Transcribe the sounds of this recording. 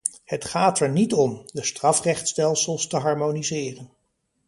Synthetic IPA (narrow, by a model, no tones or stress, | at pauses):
hətχaːtɛɹnitɔmdəstrɑfrɛχtstɛlˠsəlˠstəɦɑɹmonizɪːrən